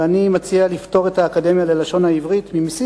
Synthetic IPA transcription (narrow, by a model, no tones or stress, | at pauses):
animat͡sialifto̞ʁe̞taːkade̞mjale̞laʃo̞nhaivʁit̪mimisi